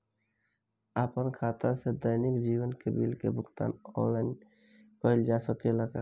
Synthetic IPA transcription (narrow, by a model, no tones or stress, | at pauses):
aːpənkʰaːt̪ased̪əjnɪkd͡ʒiːwənkebilkḛbʱʊɡt̪a̰ːnɔ̰̃nlaɪn | pəɪld͡ʒasəkeləɡa